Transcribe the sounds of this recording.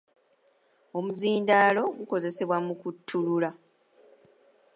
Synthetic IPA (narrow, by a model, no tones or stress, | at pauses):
o̞muziːndaːlo̞ɡuko̞ze̞se̞βwamukutʰːulula